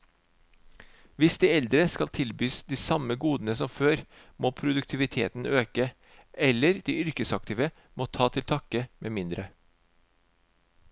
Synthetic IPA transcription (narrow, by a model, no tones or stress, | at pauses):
ʋɪsd̪iːɛld̪ɾəskɑlt̪ʰɪlbyːsd̪iːsɑməɡuːd̪n̩əsɔmføːɾ | moːpʰɾʊd̪ʉkt̪ʰɪʋɪt̪ʰḛːt̪n̩øːkə | ʔɛləɾd̪̥iːʏɾkəsɑk̚t̪ɪːʋə | moːt̪ʰɑːt̪ʰɪlt̪ʰɑkəmeːmɪnd̪ɾə